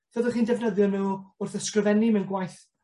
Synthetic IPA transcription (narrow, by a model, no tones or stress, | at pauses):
d̥ʰɔðəχiːndɛvnəðjɔnuːʊrθəskrəvɛnimɛnɡwajθ